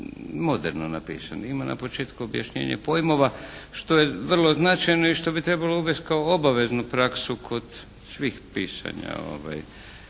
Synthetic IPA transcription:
mo̞d̪eɾnonapḭːsanoimana̰po̞t͡ʃe̞ːt̪kuobja̰ʃɲḛːɲḛpo̞jmo̞ʋaʃt̪o̞je̞ʋr̩lˠo̞znat͡ʃajno̞iʃt̪o̞bit̪ɾe̞balouʋest̪̚kaoobaʋe̞znupɾaksukʰo̞d̪̥ | sʋiːxpiːsa̰ɲa̰o̞̰ʋa̰j

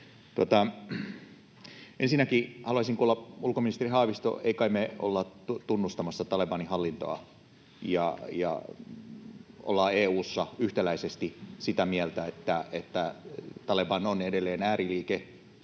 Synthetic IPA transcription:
t̪uot̪ɑ | ʔensinːækihɑluɑisiŋkuːlːɑulkominist̪erihɑːʋist̪o̰eikɑimeo̰lːɑut̪unːust̪ɑmɑsːɑt̪ɑlebɑnihɑlːint̪o̰ɑ̰ | jɑ̰jɑ̰ | o̰lːɑeːuːsːɑyht̪ælæisest̪isit̪æmiælt̪æet̪ːæet̪ːæt̪ɑlebɑnonedelːˑeːnæːriliːke

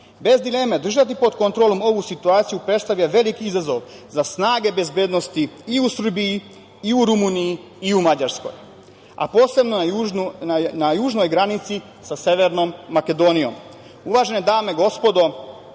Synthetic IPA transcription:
be̞zd̪ile̞med̪r̩ʒat̪̬ipo̞d̪kont̪ɾoːlˠo̞mo̞ʋusit̪uaːt̪sijupɾe̞t̪st̪aʋʎaʋe̞likiizazo̞ʋzasnaːɡe̞be̞zbe̞ːd̪no̞st̪iiusr̩biji | iuɾumuːniji | iumad͡ʑaɾsko̞̰j | a̰po̞ːse̞bno | najuːʒnojɡɾanit̪si | sase̞ʋeɾno̞mːake̞d̪o̞nijo̞̰m | uʋaːʒe̞ned̪aːme̞ɡo̞spo̞d̪o̞

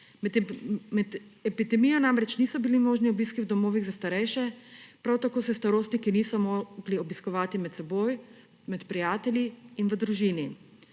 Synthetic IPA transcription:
mɛd̪ɛpid̪ɛmiːjɔnaːmɾɛt͡ʃnisɔbilimoːʒniɔbiːskiwd̪ɔmoːʋiɣzast̪aɾɛjʃɛpɾawt̪akoːsɛst̪aɾoːst̪nikinisɔmoɡliɔbiskɔʋaːt̪imɛt̪sɛboːj | mɛt̪pɾijaːt̪ɛljiːnʋəd̪ɾuʒini

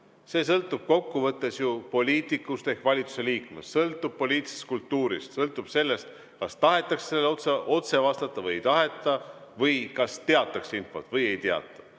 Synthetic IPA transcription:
se̞ːsɤlt̪ːˑub̥̚ko̞kːuvɤt̪ːe̞sjupo̞lʲiːt̪ˑikːˑust̪e̞hkvɑlʲit̪su̥se̞liːkmḛssɤlt̪ˑːub̥̚po̞lʲiːt̪ˑise̥st̪̚kult̪ːuːɾḭst̪sɤlt̪ːˑub̥se̞lːe̞st̪ | kɑst̪ɑɦe̞t̪ːˑɑksse̞lːot̪seʔo̞t̪se̞vɑst̪ɑt̪ˑːɑvɤjjt̪ɑɦe̞t̪ːˑɑvɤjkɑst̪eɑt̪ːˑɑksinfo̞̰t̪ːˑvɤje̞jt̪eɑ̰t̪ːˑɑ̥

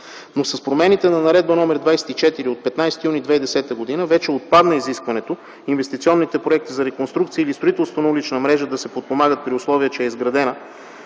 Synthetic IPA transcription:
nosɐspɾomɛnit̪ɛnɐnɐɾɛd̪̚bənɔmɛɾd̪vajsɛ̥t̪it͡ʃɛt̪iɾiot̪̚pɛt̪najsɛ̥t̪ijunid̪vɛid̪ɛsɛt̪əɡod̪inəvɛt͡ʃɛot̪̚pad̪nəiziskvɐnɛt̪o | invɛst̪it̪siɔnːit̪ɛpɾoɛk̚t̪izɐɾɛkonst̪ɾukt̪siəːilist̪ɾoit̪ɛlˠst̪vonɐulit͡ʃnəmɾɛʒəd̪ɐsɛpot̪̚pomaɡət̪̚pɾiʊslˠɔviət͡ʃɛɛizɡɾɐd̪ɛnə

